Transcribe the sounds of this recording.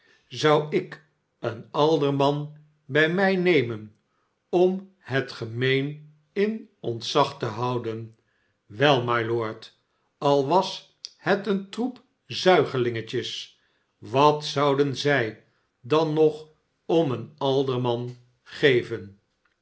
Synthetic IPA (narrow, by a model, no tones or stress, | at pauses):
zɑwɪk | ənɑlˠdəɹmɑn | bɛjmɛjnejmən | ɔm | hətχəmejn | ɪnɔntsɑχtəɦɑwdən | ʋɛlˠmajlʊːɹt | ɑlˠʋɑs | hɛtəntrup | zœɥχəlɪŋəcəs | ʋɑtsɑwdənzɛj | dɑnːɔχ | ɔmənɑlˠdəɹmɑn | χejvən